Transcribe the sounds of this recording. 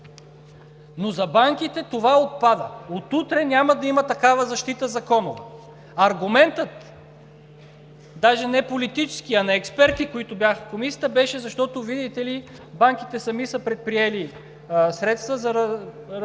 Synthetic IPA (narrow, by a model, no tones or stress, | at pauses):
nozɐbaŋkit̪ɛt̪ovaot̪̚pad̪ə̰ot̪ut̪ɾɛnʲamɐd̪ɐimət̪ɐkavəzɐʃt̪it̪əzɐkɔnʊvɛ | ɐɾɡʊmɛnt̪ət̪ | d̪aʒɛnɛpolit̪it͡ʃɛ̥skiɐnɛɛkspɛɾt̪ikoit̪ʊbjaxəkomisijət̪əbɛʃɛzɐʃt̪ɔt̪ovid̪it̪ɛli | baŋk̟it̪ɛsɐmisəpɾɛt̪̚pɾiɛli | sɾɛt̪st̪vəzɐɾ